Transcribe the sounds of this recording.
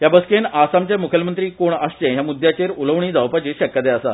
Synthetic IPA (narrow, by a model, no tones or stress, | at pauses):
jabəskenasamt͡ɕjamukʰjəlmənt̪ɾiːkoɳəst͡ɕẽɦjamud̪ʱjat͡ɕeɾuləʋɳ̃iːd͡zaʋpat͡ɕeɕəkjət̪eəsa̰